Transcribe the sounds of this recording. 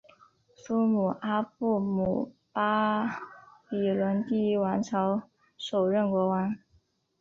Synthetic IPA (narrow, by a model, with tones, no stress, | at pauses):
su˥mu˨˩ʔa˥pu˥˩mu˨˩pa˥ | pi˨˩lwə˧˥nt̪i˥wa˧˥nʈ͡ʂʰɑ˧˥ʊ | ʂo˨˩ʊɻə˥˩nkwɔ˧˥wa˧˥n